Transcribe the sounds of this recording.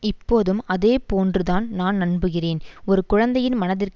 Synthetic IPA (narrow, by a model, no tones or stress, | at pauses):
ɪpːoːðɯmɐðeːpoːndrɯðaːnnaːnnɐɳbɯɣɪreːnɔɾɯkʊɻɐnd̪ɐjɪnmɐnɐðɪrk